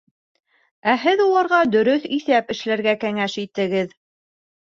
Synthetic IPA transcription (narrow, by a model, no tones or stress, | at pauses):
æɦɘðulˠɑɾʁɑd̪ɵ̆ɾɵθiθæpɘ̆ʃlæɾɡækæŋæʃit̪ɘ̆ɡɘð